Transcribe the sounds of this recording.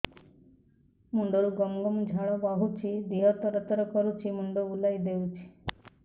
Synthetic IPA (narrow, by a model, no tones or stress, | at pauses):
muɳɖoɾuɡɔmɡɔmd͡ʒʱaɭɔbaɦut͡ʃʰid̪iɦɔt̪ɔɾət̪ɾɔkɔɾut͡ʃʰimuɳɖoulajd̪eut͡ʃʰi̥